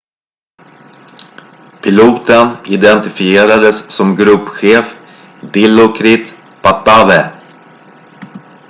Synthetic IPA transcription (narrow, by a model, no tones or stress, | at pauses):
pʰɪluːt̪ənɪd̪ɛnt̪ɪfɪeːɾad̪əssɔmɡɾɵpːɧeːf | d̪ɪlːʊkʰɾɪt̪ | pat̪ːavɛ